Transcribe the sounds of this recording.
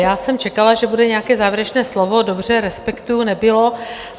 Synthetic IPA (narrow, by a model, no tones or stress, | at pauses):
jaːsɛmt͡ʃɛkalaʒɛbudɛɲɛakɛːzaːvjɾɛt͡ʃnɛːslovo̞dobr̝ɛɾɛspɛkt̪ujunɛbɪlo̞